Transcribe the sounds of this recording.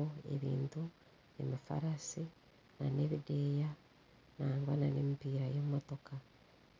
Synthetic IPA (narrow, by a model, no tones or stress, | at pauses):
oḛβḭːntu | nḛmifa̰ɾasi | naneβideja | naːŋɡwananemipiːɾajemotoka